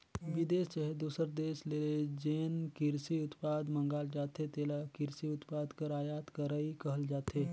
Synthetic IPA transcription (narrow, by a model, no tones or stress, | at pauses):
ʋɪd̪eːst͡ʃəɦed̪uːsəɾd̪eːʃleːled͡ʒeːnkɪɾsiʊt̪paːd̪mə̃ŋɡaːld͡ʒaːt̪ɦet̪eːlakɪɾsiʊt̪paːd̪kəɾaːjaːt̪kɐɾaikɐɦəld͡ʒaːt̪eː